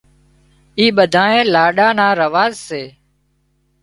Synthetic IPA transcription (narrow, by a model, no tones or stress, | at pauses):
iːɓəd̪ʱaːẽːlaːɗaːnaːɾəʋaːzseː